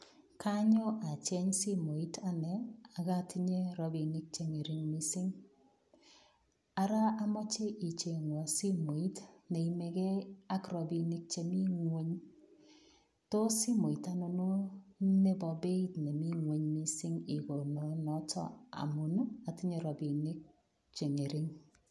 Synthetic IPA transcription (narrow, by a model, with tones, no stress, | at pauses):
kʰa˦ɲɔ˦ʔa˨t͡ʃɛ˦ɲsi˦mo˨i˦tʰa˨nɛ˨a˨ka˦ti˦ɲe˦ɾɔ˦bi˨ni˦k̚t͡ʃe˦ŋe˨ɾɪ˦ŋmi˦sɪ˦ŋ | a˦ɾa˦a˦mɔ˦t͡ʃe˦ʔi˨t͡ʃe˨ŋwɔ˨si˦mo˨i˦tne˨i˨˦me˨kɛ˦a˦kɾɔ˨bi˨nɪ˦k̚t͡ʃe˨mi˦ŋwe˦ɲ | to˦si˦mo˨i˨ta˨no˨no˦ne˦bɔ˨be˦i˦tne˨mi˦ŋwe˨˦ɲmi˦si˦ŋi˨ko˨no˨nɔ˨˦tɔ̰˦a̰˨mo˨nu˦a˨ti˦ɲe˦ɾɔ˨bi˨nɪ˦k̚ | t͡ʃe˨ŋe˨ɾɪ˦ŋ